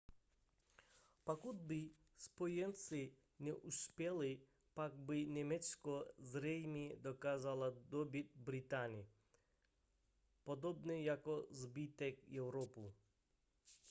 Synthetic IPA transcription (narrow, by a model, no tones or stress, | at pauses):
pakud̪̚bɪ | spɔjɛnt̪sɪ | nʲɛʔuspʲɛlˠɪ | pakbɪnʲɛmɛsʲkɔzɾɛjmʲid̪ɔkazalˠad̪ɔbʲit̪̚bɾɪt̪anʲi | pɔd̪ɔbnɛjakɔzbɪt̪ɛkjɛwɾɔpu